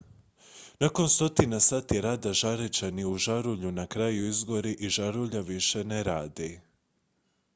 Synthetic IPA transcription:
nako̞nst̪o̞t̪inasaːt̪jeɾaːd̪aʒaɾet͡ɕaniuʒaɾuʎunakɾajuizɡo̞ɾiʔiʒaɾuʎaʋiʃe̞neɾaːd̪i

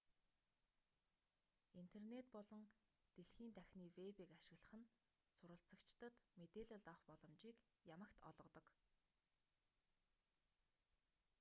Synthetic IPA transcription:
in̥t̪ʰernet̪̚pɔɮɞ̆ŋt̪eɮxiːnt̪ʰæxʲniːwepiːkaʃɪ̆ɣɮə̥̆χɘ̆n | sʊɾə̆ɬt͡sə̆kt͡ɕt̪ə̆t̪met̪eːɮə̆ɮɔχpɔɮɞ̆mt͡ɕiːk | jamə̆kt̪ɔ̰ɮʁɞ̆t̪ɞ̆k

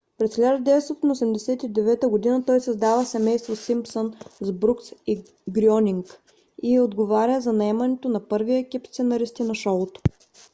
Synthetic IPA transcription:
pɾɛsxlʲɛʒd̪ɛvɛt̪sɔt̪inosɛmd̪ɛsɛt̪id̪ɛvɛt̪əɡod̪inət̪ɔjsɐzd̪avəsɛmɛjst̪vosimpsonzbɾuksi | ɡɾiɔniŋk | iod̪ɡovaɾʲjəzɐnɐɛmɐnɛt̪onɐpɤɾviɛkʲipst̪sɛnɐɾist̪inɐʃɔlˠot̪o̥

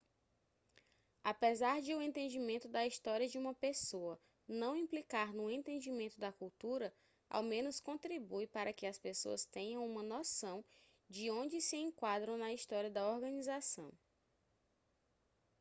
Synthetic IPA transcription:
apezaɾd͡ʒɪʊẽnt̪ẽnd͡ʒimẽnt̪ʊd̪ɐist̪ɔɾiɐd͡ʒɪũmɐpesoɐ | nɐ̃w̃ĩplikaɾnʊẽnt̪ẽnd͡ʒimẽnt̪ʊd̪ɐkuwt̪uɾɐ | ʔa̰wmẽnʊskõnt̪ɾibujpaɾʔɐkɪɐspeso̰ɐst̪ẽɲɐ̃w̃ũmɐnɔsɐ̃w̃ | d͡ʒɪõd͡ʒɪsɪẽŋkwad̪ɾɐ̃w̃nɐist̪ɔɾiɐd̪ɐoɾɡɐ̃nizasɐ̰̃w̃

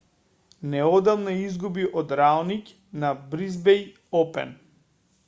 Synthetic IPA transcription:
nɛɔd̪alˠnɔizɡubiʔɔd̪ɾalnic | nabɾizbɛj | ɔpɛ̰n

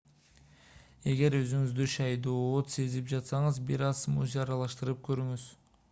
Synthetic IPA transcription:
e̞ɡe̞ɾø̞zyŋyzd̪yʃɑjd̪oːot̪se̞zip̚d͡ʒɑt̪sɑŋɯzbiɾɑzmṵzɑɾɑlˠɑʃt̪ɯɾɯp̚kʰø̞ɾyŋyz̥

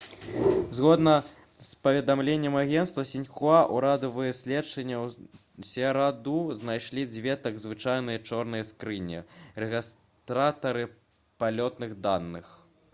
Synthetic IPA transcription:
zɣɔd̪nɐ | spɐvʲɛd̪amlʲenʲːɛmaɣʲɛnst̪vɐsʲinʲxuaʔuɾad̪ɐvɨjɐsʲlʲɛt͡ʂɐnʲːɐw | sʲɛɾad̪uznajʂlʲid͡zʲvʲɛt̪ɐɡzvɨt͡ʂajn̪ɨjɐt͡ʂɔrnɨjɐskɾɨnʲḭɾɛɣʲis | t̪ɾat̪ɐɾɨ | palʲɔt̪nɨɣd̪anːɨx

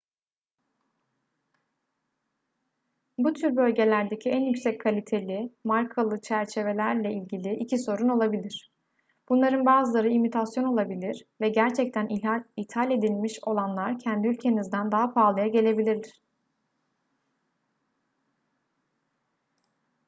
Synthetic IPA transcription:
but̪ʰyɾbø̞lʲɟe̞lʲæɾd̪e̞cʰiænjycsɛcʰkʰalʲit̪ʰe̞lʲimaɾkʰalˠɯt͡ʃʰæɾt͡ʃʰe̞ve̞lʲæɾlʲɛilʲɟilʲiʔicʰiso̞ɾuno̞lˠabilʲiɾ̝̥ | b̥unlˠaɾɯnbaːzɯlˠaɾɯimit̪ʰasjo̞no̞lˠabilʲiɾ̥vɛɟæɾt͡ʃʰɛc̚t̪ʰæniit̪ʰhalʲe̞d̪ilʲmiʃo̞lˠanlˠaɾcʰɛnd̪iylʲcʰe̞nizd̪ænd̪aɦapʰaːlˠajaɟe̞lʲe̞bilʲiɾlʲɪɾ̥

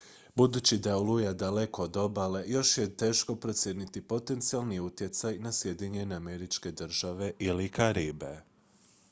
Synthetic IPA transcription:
bud̪uːt͡ɕid̪aolujad̪ale̞ko̞ːd̪o̞bale̞jo̞ʃje̞t̪e̞ːʃko̞pɾo̞t̪sʲjenit̪ipo̞t̪e̞nt̪sialniut̪je̞t̪sajnasje̞d̪iɲe̞ne̞ame̞ɾit͡ʃke̞d̪r̩ʒaʋe̞ʔilikaɾibḛ

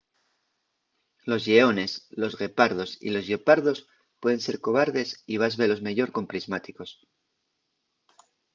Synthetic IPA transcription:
lo̞zʝeo̞ne̞slo̞zɣe̞paɾð̞o̞sḭlo̞zʝopaɾðo̞s | pwe̞ð̞e̞nse̞ɾko̞β̞aɾðe̞siβ̞azβe̞lo̞zme̞ʝo̞ɾko̞mpɾizmat̪iko̞s

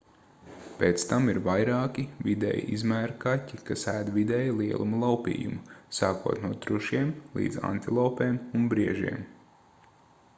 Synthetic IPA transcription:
peːt̪st̪amiɾvajɾɑːkʲivid̪ɛ̰ːjḭʔizmæːɾkatʲːikasæːd̪vid̪ɛːjlˠiɛlˠumulˠawpḭːjṵmusaːkuɔt̪nuɔt̪ɾuʃiɛmlˠḭːd̪za̰nt̪ilˠawpeːmunbɾiɛʒḭɛm

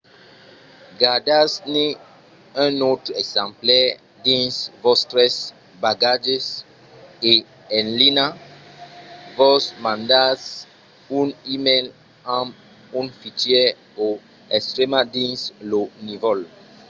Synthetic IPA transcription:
ɡadasne | ɛ̃not̪ɾɛɡzãmplɛ | dĩnsvɔst̪ɾɛs | baɡad͡ʒes | e | ɛ̃nlina | vɔsmãnd̪as | ũnimel | ãm | ũnfitjɛ | o | ɛst̪ɾɛmadĩnslonivɔl

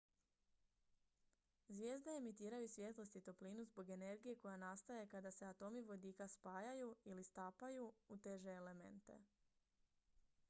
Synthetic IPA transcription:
zʋʲje̞ːzd̪eemit̪iːɾajusʋje̞t̪lost̪it̪opliːnuzbo̞ɡe̞ne̞ɾɡije̞ko̞janast̪ajekad̪aseat̪o̞miʋo̞d̪iːkaspaːjajuilist̪aːpajuut̪e̞ʒe̞ːle̞me̞̰nt̪e̞̰

